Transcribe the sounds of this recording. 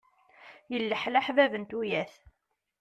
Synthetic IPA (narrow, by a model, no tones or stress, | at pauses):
jəlːəħlaħvævənt̪ujæθ